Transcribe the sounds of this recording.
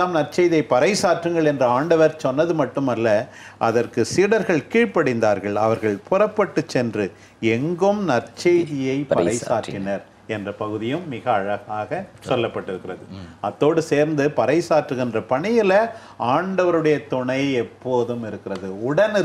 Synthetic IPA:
aːmnɐrt͡ʃɐjðɪjɐɪpɐɾɐɪsaːʈrɯŋɡɐɭɛndrɐaːɳɖɐʋɐɾsɔnːɐðɯmɐʈːɯmɐlːɐ | ʔɐðɐrkɯsiːɽɐɾɣɐɭkiːɻpɐɽɪnd̪aːɾɣɐɭɐʋɐɾɣɐɭpʊrɐpːɐʈːɯt͡ʃːɛndrɯ | ɛŋɡɯmnɐrt͡ʃɐɪðɪjɐɪpɐɾɐɪsaːʈːɪnɐɾ | ɛndrɐpɐɣɯðɪjɯmːɪɣɐːɻɐɣaːɣɐsɔlːɐpːɐʈːɪɾɯkːɪrɐðɯɐt̪ːoːɽɯseːɾnd̪ɯpɐɾɐɪsaːʈrɯɣɪndrɐpɐɳɪjɪlɐ | aːɳɖɐʋɐɾɯɽɐjɐt̪ʊɳɐɪɛpːoːðɯmɪɾɯkːɪɾɐðɯʊɽɐnɪ

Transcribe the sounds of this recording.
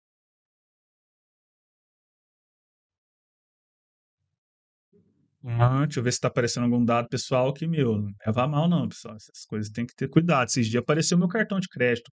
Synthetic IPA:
t͡ʃɪewvesɪ̥t̪apaɾesẽnd̪ʊaɡũd̪ad̪ʊpesuawkɪmewñɛvamawnɐ̃w̃pe̥sua̰wɛsɐsɐ̥kojzɐs̬t̪ẽj̃kɪt̪eɾkujd̪ad̪ʊsɪzd͡ʒiɐapaɾeseʊmewkaɾt̪ɐ̃w̃d͡ʒɪkɾɛd͡ʒɪt̪ʊ̥

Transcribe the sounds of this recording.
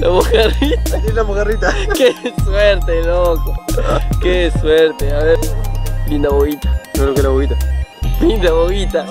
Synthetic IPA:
laβokarit̪aelaβoɣarit̪akesweɾt̪elokokesweɾt̪eaβeɾbind̪aβoβit̪ḁnolokelaβoβit̪alind̪aβoβit̪a

